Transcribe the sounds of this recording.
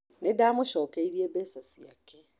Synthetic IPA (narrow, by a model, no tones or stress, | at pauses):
nedamʊʃɔːkeiɾiebeːsasia̰ke